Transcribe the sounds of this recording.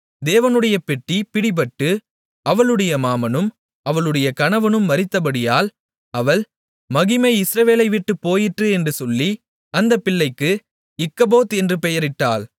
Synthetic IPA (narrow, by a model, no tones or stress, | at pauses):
d̪eːʋɐnɯɽɐjɐpɛʈːipɪɽɪbɐʈːɯ | ʔɐʋɐɭɯɽɐjɐmaːmɐnɯm | ʔɐʋɐɭɯɽɐjɐkɐnɐʋɐnɯmːɐɾɪt̪ːɐpɐɽɪjaːl | ɐʋɐɭ | mɐɣɪmɐɪɪsɾɐʋeːlɐɪʋɪʈːɯpːoːjɪʈrɯɛndrɯsɔlːi | ɐnd̪ɐpːɪɭːɐɪkːɯ | ɪkːɐboːt̪ɛndrɯpɛjɐɾɪʈːaːl